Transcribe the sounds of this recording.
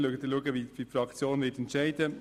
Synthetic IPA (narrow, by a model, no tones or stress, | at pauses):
luːɡətiluəɡəʋidiːfɾɑkt͡sjoːnvɪtɛntʃæɪd̥ə